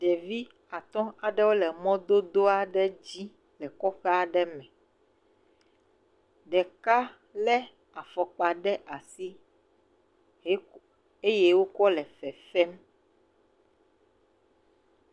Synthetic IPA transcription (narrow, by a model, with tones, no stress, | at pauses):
ɖɛ˨vi˦ | a˨t̪ɔ̃˦a˨ɖɛ˦wo˦lɛ˨mɔ̃˦d̪o˦d̪o˦a˨ɖɛ˦d͡ʑi˦ | lɛ˨kɔ˦ɸɛ˦a˨ɖɛ˦mɛ̃˨ | ɖɛ˨ka˦ | lɛ˦ | a˨fɔ˨k͡pa˨ɖɛ˦ʔa˨si˦ | e˦je˦wo˦kɔ˦lɛ˨fɛ˨fɛ˦m